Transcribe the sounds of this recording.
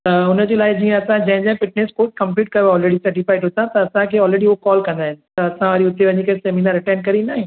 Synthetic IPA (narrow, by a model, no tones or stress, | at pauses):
t̪ɐʊnəd͡ʑeːlaːɪd͡ʑiːə̃ɐsãd͡ʑɐɦɪ̃d͡ʑãɦfɪʈ̚neskoːʈ̚kɐ̃mpliːʈ̚kɐjoɔːlɾeːɽisɐɾʈɪfaːɪʈɦʊt̪ʰãt̪ɐːsãkʰeːɔːlɾeːɽiokɔːlkɐ̃nd̪aːɦɪnɪ̆t̪ɐɐsãʋaːɾiʊt̪eʋɐɲikɐseːminaːɾɪʈaːɪnkɐɾinaːɦẽː